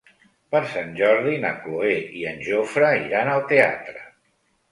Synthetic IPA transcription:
pəɾsanʲʒɔɾðinə̰kloeiənʲʒofɾəiɾanəlˠt̪ea̰t̪ɾə

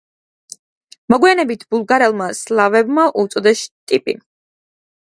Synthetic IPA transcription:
mɔɡwianɛbit̪ʰbulˠɡaɾɛlˠmaslˠavɛbmaʔut̪sʼɔd̪ɛst̪ʼipʼḭ

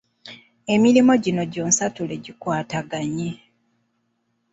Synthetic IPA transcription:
e̞miɾimo̞ɟino̞ɟoːnsatule̞ɟikwaːtaɡaɲe

